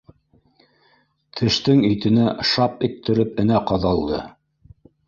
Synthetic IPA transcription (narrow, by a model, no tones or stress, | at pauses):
t̪ʰɘ̆ʃt̪ɘŋĭjt̪ɘ̆næʃɑpit̪ʰːɘ̆ɾɘp̚ɘ̆næqɑðɑlˠd̪ɤ̰